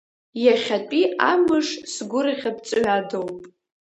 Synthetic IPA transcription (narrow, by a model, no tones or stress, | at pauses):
jaχʲat͡pʷʼiamɨʂsɡʷʊɾaχʲapt͡sʼɥadowpʼ